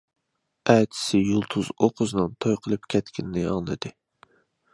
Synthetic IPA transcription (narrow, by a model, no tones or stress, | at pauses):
ɛːt̪ʰɪ̥sɪjulˠt̪ʰuz̥oqʰʊznɨnt̪ʰojqʰəlˠɨpkʲʰɛt̪kʲinɪnɪɑ̰ŋlˠɨd̪̥ɨ